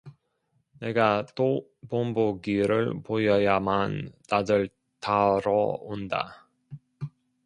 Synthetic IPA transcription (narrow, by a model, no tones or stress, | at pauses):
ne̞ɡat͈o | pomboɡiɾɯɭpojʌjamanːad͡ʑʌɭ | taɾʌonda̰